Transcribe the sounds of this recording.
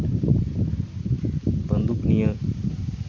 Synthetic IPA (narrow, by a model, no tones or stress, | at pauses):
bənd̪uknijə